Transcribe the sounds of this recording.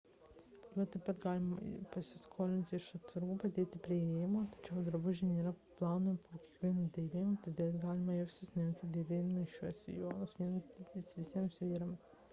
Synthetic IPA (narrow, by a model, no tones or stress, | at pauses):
juɔt̪ɐɪpɐt̪ɡɑːlʲɪmɐ̰pɐsʲɪskʰoːlʲɪnʲt̪ʲɪɪʃɐt̪ʲsɐɾɡuːpɐd̪ʲeːt̪ʲɪpʲɾʲɪeːjɪmoːt̪ɐ̥t͡ʃʲɛʊd̪ɐɾbʊʒʲɪnʲeːɾɐplˠɑːnoːmʲɪpoːkʲeːkʋʲiɛnuːd̪ʲɛbʲeːjmot̪ɐɪd̪ʲeːt̪ɡɑːlʲɪmɐjɛʊsʲɪsʲnʲɛŋkʲɪd̪ʲeɪbʲeːd̪mɐɪʃʃʲuɔsʲɪ̰joːnosʋʲiɛnɐsʲit̪ʲisʋʲɪsʲiɛmsʋʲiːɾɐm